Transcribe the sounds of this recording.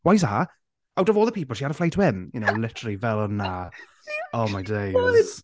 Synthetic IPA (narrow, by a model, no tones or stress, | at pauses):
wajsa | awdɔvɔːlˠðəpʰipl̩ˠʃiaɾəflejtʰwɪmjʊnoʊlɪtəɹəlˠivɛlˠɔnːa | omajdej